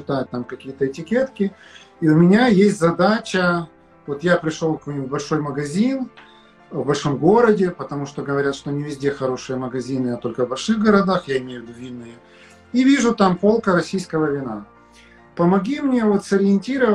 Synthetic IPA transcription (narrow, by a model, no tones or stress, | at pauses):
ɕɪt̪ajt̪̚ʲt̪amkɐkʲijət̪əɪtʲɪkʲe̞t̪kʲɪ | iʊmʲɪnʲajesʲtʲzɐd̪at͡ɕə | vo̞t̪japɾʲɪʂlˠolˠkvɐuvbɐlʲʂo̞jməɡɐzʲin | vbɐlʲʂo̞mɡo̞ɾədʲɪpət̪ɐmuʂt̪oɡəvɐɾʲat̪ʂt̪onʲɪvʲɪzʲdʲe̞xɐɾo̞ʂɨjəməɡɐzʲinɨɐt̪o̞lʲkəvbɐlʲʂɨɣɡəɾɐd̪axjaɪmʲejʊvʲɪd̪uvʲinːɨjə | ivʲiʐʊt̪ampo̞lˠkəɾɐsʲijskəvəvʲɪna | pəmɐɡʲimnʲevo̞t̪sɐɾʲɪɪnʲtʲiɾə